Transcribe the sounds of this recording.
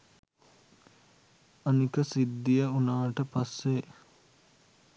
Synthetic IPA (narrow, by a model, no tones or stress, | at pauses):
anikəsid̪ːijəunaːʈəpasːe